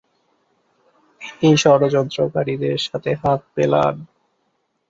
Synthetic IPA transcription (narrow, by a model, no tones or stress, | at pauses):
ejʃɔɾod͡ʑɔnt̪ɾokaɾid̪eɾʃat̪ʰeɦat̪̚pela̰n